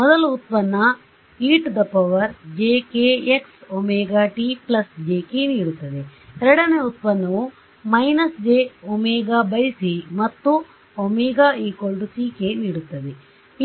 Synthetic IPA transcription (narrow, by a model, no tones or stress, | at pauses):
mɔd̪ɐluːt̪̚pɐnːɐ | iːʈd̪ɐpɐʋɐɾd͡ʒeːkeːeksomeːɡaːʈiːplɐsd͡ʒeːkeniːɽut̪ːɐd̪eeɾɐɽɐneut̪̚pɐnːɐʋu | mɐjnɐsd͡ʒeːomeːɡaːbɐjisimɐt̪ːu | omeːɡaːiːkɐlɖusiːkeniːɽut̪ːɐd̪e